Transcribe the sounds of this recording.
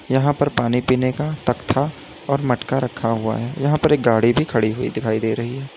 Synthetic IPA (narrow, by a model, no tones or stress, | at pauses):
jɐɦãpɐɾpaːnipiːnekat̪ɐkt̪ʰa | ɔːɾmɐʈkaɾɐkʰːaɦua̰ɦɛːjɐɦãpɐɾeːk̚ɡaːɽibʱikʰɐɽiɦuḭd̪ɪkʰaːid̪eːɾɐɦiɦɛː